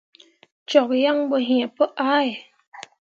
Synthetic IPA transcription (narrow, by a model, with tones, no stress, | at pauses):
t͡ɕɔ˨˩k̚ja˧˨ŋbɔ˨ɦi˨ə˦po˦ʔaː˦˧˦j